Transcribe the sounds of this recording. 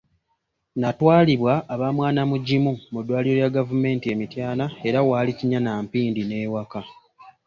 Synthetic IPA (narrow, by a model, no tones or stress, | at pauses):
natwaːliβwaʔːβamwaːnamuɟimumudːwaːliɾo̞jaɡavume̞ːntie̞mitjaːnae̞ɾawaːliciɲanaːmpiːndine̞ːwaka